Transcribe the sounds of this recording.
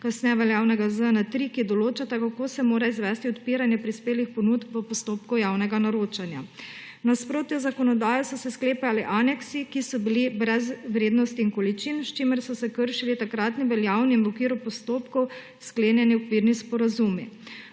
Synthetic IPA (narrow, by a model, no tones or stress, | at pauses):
kasnɛːʋɛljaːwnɛɡazənat̪ɾikid̪ɔloːt͡ʃat̪akakoːsɛmoːɾaizʋɛːst̪iɔt̪piːɾanjɛpɾispeːlixpɔnut̪pʋəpɔst̪oːpkɔjaːwnɛɡanaɾoːt͡ʃanja | naspɾoːt̪jɛzakɔnɔd̪aːjɔsɔsɛskleːpaaliʔaːnɛksikisɔbilibɾɛzʋɾeːd̪nɔst̪iːnkɔlit͡ʃinst͡ʃimɛɾsɔsɛkəɾʃilit̪akɾaːt̪niʋɛljaːwniːnʋɔkʋiːɾupɔst̪oːpkɔw | skleːnjɛniɔkʋiːɾnispɔɾazumi